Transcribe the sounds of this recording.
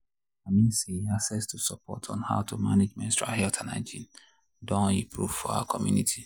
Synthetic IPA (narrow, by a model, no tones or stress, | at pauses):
amĩnsiasɛstʰusɔpʰɔ̰tʰɔ̃n̩ha̰ʊtʰuma̰ned͡ʒmɛ̃nstɹa̰ɦɛltʰãna̰ɪd͡ʒḭ̃n | dɔ̃ipʰɹuvfɔa̰wakʰɔmjṵnitʰi̥